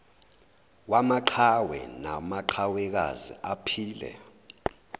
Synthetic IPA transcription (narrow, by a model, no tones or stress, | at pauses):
wamaǃʰawɛ̰na̰maǃʰawɛk̬a̰zḭapʰiːlɛ̰